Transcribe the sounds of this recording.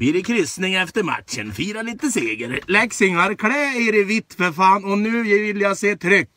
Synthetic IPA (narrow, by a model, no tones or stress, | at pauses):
biːɾɪkʰɾʏsnɪŋɛft̪əɾmæ̰t̪ʃənfiːɾɑlɪt̪əseːɡəɾlɛksɪŋɑɾkʰɽeːeɪɾəʋɪt̪fəfɑːnɔnʉːjæʋɪljɑseːt̪ʰɾʏkː